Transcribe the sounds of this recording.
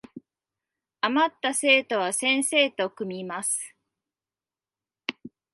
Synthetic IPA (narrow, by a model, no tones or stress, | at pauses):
amat̪ːase̞ːt̪o̞β̞asẽ̞ɰ̃se̞ːt̪o̞kɯ̟mʲimasɨ̥